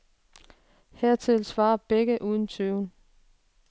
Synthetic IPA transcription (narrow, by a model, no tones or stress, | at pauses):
heɐ̰t͡sʰe̝lsʋɑ̈ːɐb̥eɡ̥əʔuð̞ˠn̩t͡sʰøʊn